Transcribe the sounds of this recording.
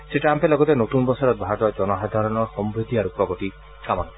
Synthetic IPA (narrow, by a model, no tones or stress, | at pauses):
seʈaampelɔɡɔt̪enot̪unbɔsɔɾɔt̪̚bʱat̪ɔd͡ʒɔnɔɦad̪ʱaɾɔnɔɾhɔmbɾed̪ʱiaɾupɾɔɡot̪i | kamɔnɔ